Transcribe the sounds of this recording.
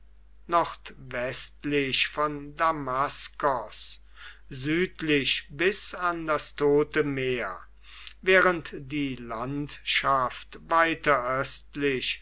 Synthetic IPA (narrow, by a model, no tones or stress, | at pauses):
nɔχtvɛstlɪʃfɔndamaskɔs | zyːtlɪʃbɪsandastʰoːtəmeːɐ | veːʁəntd̥iːlantʃaftvaɪtɐʔœstlɪɕ